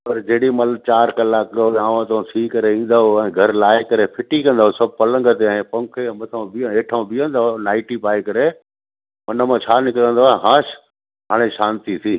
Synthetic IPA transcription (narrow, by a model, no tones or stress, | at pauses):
pɐɾd͡ʑeːɽimɐlt͡ɕaːɾkɐlaːkoãːʋãt̪õsʰiːkɐɾeĩːn̆d̪aɦoɛ̃ːɡʱɐɾlaːekɐɾepʰɪʈikɐ̃nd̪aːɦosɐb̚ʱpɐlə̃ŋɡʱət̪eɛ̃ːpɐ̃ŋkʰẽmɐt̪ʰãbĩeːʈʰãbijə̃nd̪aonaːɪʈipaːekɐɾe | ɐnəmãt͡ɕʰaːnɪkɪɾə̃n̆d̪oaːɦãːʃ | ɦaːɽ̃eʃãːnt̪isʰiː